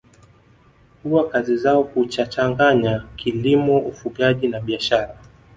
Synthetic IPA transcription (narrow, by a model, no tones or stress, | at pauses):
kuwakazizaɔhut͡ʃat͡ʃaŋɡaɲakʰilimɔufuɡaʄinaɓiaʃaɾa